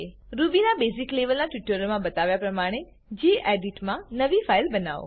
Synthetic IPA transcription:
ɾubinabezikleʋəlnaʈʋiʈəɾəlmãbət̪aʋjapɾəmaɽ̃e | d͡ʒieɖiʈmãnəʋifailbəna̰ʋo̰

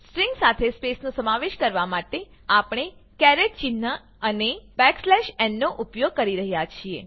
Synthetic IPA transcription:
sʈɾiŋɡsat̪ʰespesnusəmaʋeʃkəɾʋamaʈe | apɳ̃ekɛɾeʈ̚t͡ʃɪnːə | ənebɛkslɛʃɛnːoʔupjoɡ̚kəɾiɾəɦjat͡ʃʰie

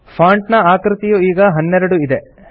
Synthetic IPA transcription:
pʰaːɳʈnɐaːkɾit̪ijuiːɡɐɦɐnːɛɾɐɽuid̪e

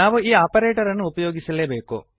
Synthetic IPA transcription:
aːʋuiːaːpɐɾeːʈɐɾɐnːuupɐjoːɡisɐleːbeːko̰

